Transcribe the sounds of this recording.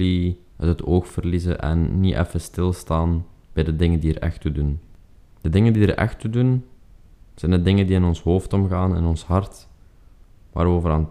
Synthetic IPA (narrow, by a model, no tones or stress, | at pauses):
li | əətʰoːxfərlizə̰ʔɛ̰nːiʔɛ̰fəstɪlˠstaːnb̥ɛjdədɪŋəndiəɾʔɛ̰xtudun | d̥ədɪŋəndiəɾʔɛ̰xtudun | z̥ɛjnədɪŋəndiɪnɔnsɦoːftɔmɣaːnɪ̰nɔnshɑrt | ʋa̰ːɾoːvəɾaːn